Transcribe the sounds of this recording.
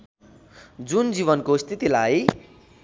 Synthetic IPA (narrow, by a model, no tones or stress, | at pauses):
d͡zund͡ziβʌnkost̪ʰit̪ilaj